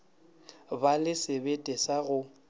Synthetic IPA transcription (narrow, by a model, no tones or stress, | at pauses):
balɪsebetʼɛsaɣʊ